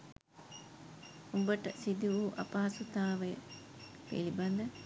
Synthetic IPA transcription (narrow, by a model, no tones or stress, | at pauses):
umbəʈɐsid̪uuːʔɐpɐɦɐsut̪aːʋej | pḛlibɐnd̪ɐ